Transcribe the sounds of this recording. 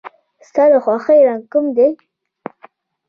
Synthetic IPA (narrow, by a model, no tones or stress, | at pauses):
st̪ɑləxwɑxejɾaŋɡkʊmd̪e